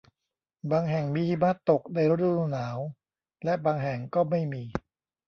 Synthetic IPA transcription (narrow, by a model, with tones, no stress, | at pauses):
baː˧ŋɦɛ˨˩ŋmiː˧ti˧˩ma˦˥˩t̪ːo˨˩k̚da˧jɾo˦˥t̪̚ɾu˧˥ɾu˧naː˩˦w | lɛ˦˥baː˧ŋɦɛ˨˩ŋkɔː˥˩ma˥˩jmiː˧